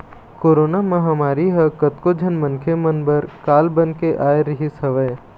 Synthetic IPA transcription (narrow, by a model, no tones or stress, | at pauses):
koːɾoːnamɐ̃ɦɐmaːɾiɦɐkət̪kod͡ʒʱənmənkʰemɐnbəɾkaːlbənkeʔaːeɾəɦisɐʋəː